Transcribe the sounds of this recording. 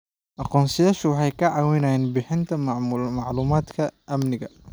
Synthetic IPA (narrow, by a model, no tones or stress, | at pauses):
ʔɑqɔːnsɐjaːʃʊwɑħɑjkʰɐʕɑːwɪnajɛːnbɪħɪnt̪ʰɐmɑʕluːmaːd̪kʰɐʔɐmnɪɣɐ